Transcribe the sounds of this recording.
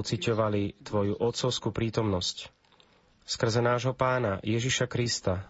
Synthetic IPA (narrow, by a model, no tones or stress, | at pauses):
t͡sicɔʋalit̪ʋɔjuʔɔt̪sɔʊskupɾiːt̪ɔmnɔsc | skr̩zɛnaːʒɦɔpaːnajɛʒiʃakɾist̪a